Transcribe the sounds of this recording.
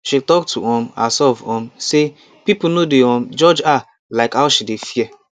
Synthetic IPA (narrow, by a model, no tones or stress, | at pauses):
ʃitɔktʰṵɔm̩a̰sɔvɔ̃m̩se | pipunodeɔm̩d͡ʒɔd͡ʒa | laɪkaʊʃidefie